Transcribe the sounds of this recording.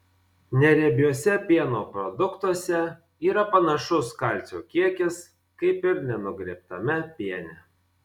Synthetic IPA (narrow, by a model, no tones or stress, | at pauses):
nʲɛɾʲɛbʲjuːsʲɛpʲiɛnoːpɾɔd̪ʊkt̪uɔsʲɛ | iːɾɐpɐnɐʃʊskɐˑlʲˑt̪sʲoːkʲiɛkʲɪs | kɐɪpɪɾnʲɛnʊɡɾʲiɛp̚t̪ɐmʲɛpʲiɛnʲɛ